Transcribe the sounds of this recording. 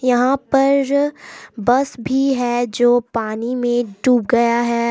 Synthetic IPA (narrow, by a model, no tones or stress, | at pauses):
jɐɦãpɐɾ | bɐsbʱiɦɛːd͡ʒoːpaːnimẽɖuːpɡɐjaɦɛː